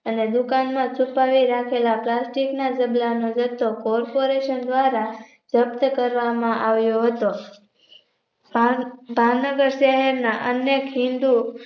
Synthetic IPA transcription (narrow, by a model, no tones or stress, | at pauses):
əned̪ʊkanmãt͡ʃʰupaʋiɾakʰelaplasʈiknad͡ʒəblanod͡ʒət̪ːokɔɾpoɾeʃənd̪ʋaɾa | d͡ʒəpt̪əkəɾʋamãʔaʋjoɦət̪o | bʱaʋnəɡəɾʃəɦɛɾnaʔənjekɦɪ̃nd̪u